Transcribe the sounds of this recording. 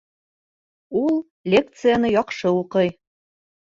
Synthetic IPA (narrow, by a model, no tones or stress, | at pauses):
ulˠ | lʲek̚t̪sɨjanɤjɒqʃɤuqɤj